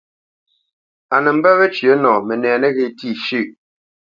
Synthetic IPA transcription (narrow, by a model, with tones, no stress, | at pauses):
a˨nɛ˨m̩˦bɛ˦βɛ˦t͡ʃɥɰə˦nɔː˨mɛ˨nɛː˨nɛ˦ɣe˨ti˦˨ʃʉ˦˨ʔ